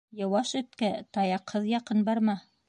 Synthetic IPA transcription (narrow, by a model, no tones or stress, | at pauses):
jɤ̆wɑʃɵ̆t̪kæt̪ɑjɑqhɤðjɑqɤnbɑɾmɑ